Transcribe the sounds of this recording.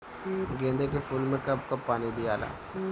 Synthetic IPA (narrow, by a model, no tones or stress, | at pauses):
ɡẽːnd̪ekefuːlmẽkɐb̚kɐpːaːnid̪ijaːla̰ː